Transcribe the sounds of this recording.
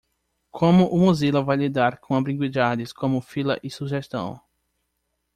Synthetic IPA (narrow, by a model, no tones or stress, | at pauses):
kʰõmʊʔʊmuzilɐvajlid̪aɾkõabɾĩɡwid̪adɪskõmʊfilɐ̰ʔɪsuʒest̪ɐ̰̃w̃